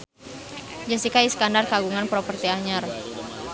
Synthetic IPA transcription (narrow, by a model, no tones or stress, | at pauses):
d͡ʒasikaiskandarkaɡuŋanpɾɔpərt̪iaɲar